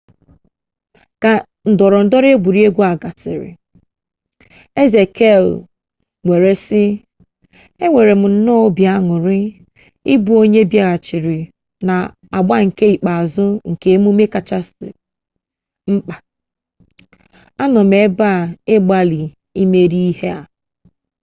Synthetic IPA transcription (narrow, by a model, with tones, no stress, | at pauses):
ka˨ | n̩˨dɔ˨ɾɔ˨n̩˨dɔ˦ɾe˦ɡʷu˨ɾi˦e˦ɡʷu˦a˨ɡa˨tɪ̰˨ɾɪ̰˨ | e˦ze˨kʰe˦˨l | ŋʷe˨ɾe˨sɪ˦ | e˦ŋʷe˨ɾe˨m̩˨n̩˦nɔ˦o˦bja˦ŋʊ˨ɾɪ˦ | i˦bu˨o˦ɲe˦bja˦ɣa˨t͡ʃɪ˨ɾɪ˨ | na˨ | a˨ɡ͡ba˦ŋ̩˨ke˦i˨k͡pa˨a˨zʊ˦ŋ̩˨ke˨˦mu˦me˦ka˨t͡ʃa˦sɪ̰˨ | ŋ͡m̩˦k͡pa˨ | a˦nɔ˨me˨˦ba˦˨e˦ɡ͡ba˦li˨ | i˦me˦ɾi˦i˦he˦a˨